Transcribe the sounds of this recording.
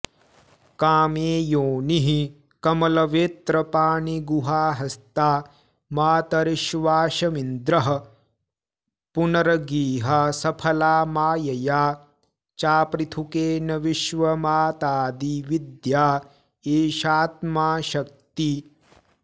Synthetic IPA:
kaːmeːjoːniɦi | kɐmɐlɐʋeːt̪ɾɐpaːɳiɡuɦaːɦɐst̪aː | maːt̪ɐɾiʃʋaːʃɐmind̪ɾɐɦɐ̆ | punɐɾɐɡiːɦasɐpʰɐlaːmaːjɐjaː | t͡ʃaːpɾit̪ʰukeːnɐʋiʃʋɐmaːt̪aːd̪iʋid̪jaː | eːʃaːt̪̚maːʃɐk̚t̪i

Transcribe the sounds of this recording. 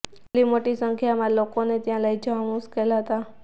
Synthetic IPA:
limoʈisəŋkʰjamãlokonet̪jãləjd͡ʒəamuskəjlaɦət̪a

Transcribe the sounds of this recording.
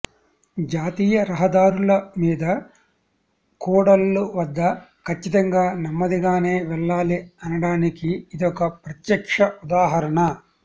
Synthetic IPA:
d͡ʒaːt̪iːjɐɾɐɦɐd̪aːɾulɐmiːd̪ɐ | kuːɽɐlːuʋɐd̪ːɐkʰɐt͡ʃːit̪ɐŋɡaːnɐmːɐd̪iɡaːne̞ːʋɛɭːaːliɐnɐɽaːnikiːd̪ɔkɐpɾɐt̪jɐkʂɐʔud̪aːɦɐɾɐɳɐ

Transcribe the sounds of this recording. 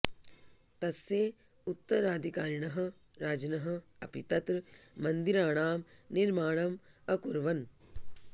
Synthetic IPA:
t̪ɐsjeː | ut̪ːɐɾaːd̪ʱikaːɾɳɐɦɐ̆ | ɾaːd͡ʒɐnɐɦɐ̆ɐ̰pit̪ɐt̪ɾːɐnd̪iɾaːɳaːmniɾmaːɳɐmɐkuɾʋɐn

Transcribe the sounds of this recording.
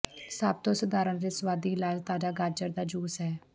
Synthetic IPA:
sab̚t̪õːsəd̪aːɾənɾeːsəwaːd̪iːɪlaːd͡ʒt̪aːd͡ʒaːɡaːd͡ʒəɾd̪aːd͡ʒuːsɦɛː

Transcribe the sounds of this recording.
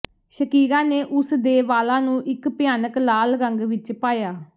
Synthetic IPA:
ʃəkiːɡãːneːʔʊsd̪eːʋaːlãːnũːʔɪkpɪjaːnəklaːlɡəŋɡʋɪt͡ʃpaːjaː

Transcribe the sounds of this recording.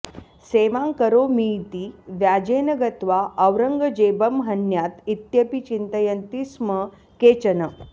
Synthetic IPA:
seʋãŋkəɾomiːt̪iʋjad͡ʑenəɡət̪ʋaʔəʋɾəŋɡəd͡ʑebəmɦɐnjat̪it̪jəpit͡ɕint̪əjənt̪ismə | ket͡ɕənə

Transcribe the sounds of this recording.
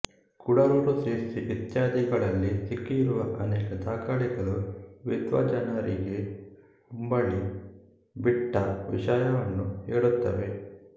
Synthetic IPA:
kuɽɐɾuɾuseːsiʋit̪jaːd̪iɡɐɭɐlːisikːiːɾuʋɐʔɐnɛːkɐd̪aːkɐɭiɡɐɭuʋid̪ʋɐ̰d͡ʒɐnɐɾiɡe | umbɐɭːi | biʈːɐʋḭʃaːjɐʋɐnːuheːɽut̪ːɐʋe̞

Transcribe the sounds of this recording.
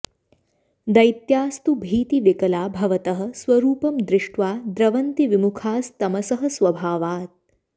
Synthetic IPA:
d̪ɐjt̪jaːst̪ubʱiːt̪iʋikɐlaːbʱɐʋɐt̪ɐɦɐ̆sʋɐɾuːpɐmd̪ɾɪʂʈʋaːd̪ɾɐʋɐnt̪iʋimukʰaːst̪ɐmɐsɐɦɐ̆sʋɐbʱaːʋaːt̪̚

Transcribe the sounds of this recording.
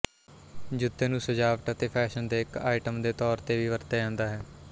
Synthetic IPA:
d͡ʒʊt̪ːeːnũːsəd͡ʒaːʋəʈət̪eːpʰɛːʃənd̪eːɪkaːɪʈəmd̪eːt̪ɔːɾt̪eːʋiːʋəɾt̪eːɛ̃ːnd̪aːɦɛː

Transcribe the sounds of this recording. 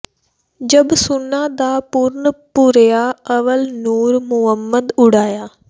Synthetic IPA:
d͡ʒəbsʊnːãːd̪aːpʊɾnpʊɾjaːəʋəlnuːɾmʊɦəmːəd̪ʊɽaːjaː

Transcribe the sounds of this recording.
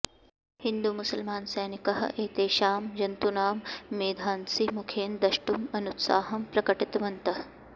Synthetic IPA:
hind̪umʊsɐlmaːnsɐjnikɐɦɐ̰ʔeːt̪eːʃaːmd͡ʒɐnt̪unaːmːeːd̪ʱaːnsimukʰeːnd̪ɐʃʈumɐnut̪sa̰ːɦɐmpɾɐkɐʈit̪ʋɐnt̪ɐɦɐ

